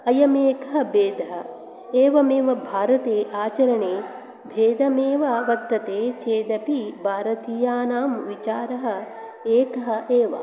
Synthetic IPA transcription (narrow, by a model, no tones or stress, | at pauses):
ɐjɐmeːkɐɦɐ̆beːd̪ʱɐɦɐ̆ | eːʋɐmeːʋɐbʱaːɾɐt̪eːʔaːt͡ʃɐɾɐɳeː | bʱeːd̪ɐmeːʋɐʋɐt̪ːɐt̪eːt͡ʃeːd̪ɐpibʱaːɾɐt̪ijaːnaːmʋit͡ʃaːɾɐɦɐ̆ | eːkɐɦɐ̆eːʋɐ̰